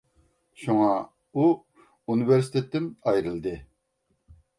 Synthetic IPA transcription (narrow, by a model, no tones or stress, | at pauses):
ʃuŋɑ | u | unɨveɾsi̥t̪ʰet̪ːɪmɑjɾɨlˠd̪ɨ